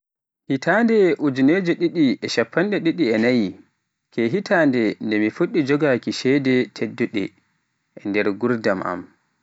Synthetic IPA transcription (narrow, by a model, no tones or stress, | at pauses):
hitʰaːndɛʔud͡ʒuned͡ʒɔɗiɗiʔɛʃapʰːanɗɛɗiɗiɛnaji | kʰɛɦitandɛndɛmifuɗːid͡ʒɔɡakiʃɛdɛtʰedːuɗɛ̰ | ɛndɛɾɡuɾdamʔa̰m